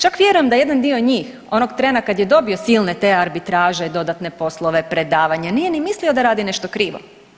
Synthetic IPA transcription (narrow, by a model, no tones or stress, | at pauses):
t͡ʃakʋʲje̞ɾujemd̪aje̞d̪and̪io̞ɲiːx | o̞noɡt̪ɾeːnakad̪jed̪o̞bio̞siːlˠne̞t̪e̞ːaɾbit̪ɾaːʒed̪o̞d̪at̪ne̞po̞slˠo̞ʋe̞pɾe̞d̪aːʋaɲanije̞nimislio̞d̪aɾaːd̪ine̞ʃt̪o̞kɾiːʋo̞̰